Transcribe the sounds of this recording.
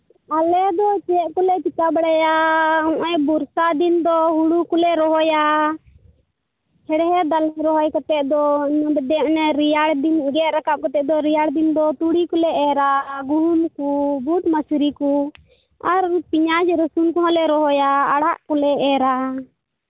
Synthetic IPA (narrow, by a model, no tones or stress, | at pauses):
alɛd̪ɔt͡ʃɛɛʔkɔlɛpit̪abɛɽajaɔ̃ʔɛjbuɾsad̪ind̪ɔɦuɽukɔlɛɾɔɦɔja | hɛɽɦɛd̪alɛɾɔɦɔjkat̪ɛʔd̪ɔnbɛd̪ɛʔnɛɾijaɽd̪inuɡɛɾakap̚kat̪ɛʔd̪ɔɾijaɽd̪ind̪ɔt̪uɽikɔlɛʔɛɾaɡuɾunkubuʈmasɾiku | aɾpiɲad͡ʒɾəsunkɔɦɔ̃lɛɾɔɦɔjaaɽaʔkɔlɛʔɛɾa